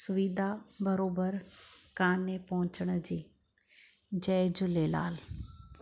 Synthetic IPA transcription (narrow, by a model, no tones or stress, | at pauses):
sʊʋiːd̪ʱabɐɾoːbəɾkaːnepɐɦʊ̃t͡ɕəɽ̃ʊd͡ʑiː | d͡ʑɐːɪd͡ʑʊleːla̰ːl